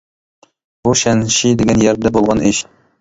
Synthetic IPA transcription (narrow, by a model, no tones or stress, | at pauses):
buʃɛnʃid̪ɪɡʲɛnjɛɾd̪ɛbolˠʁɑnɪʃ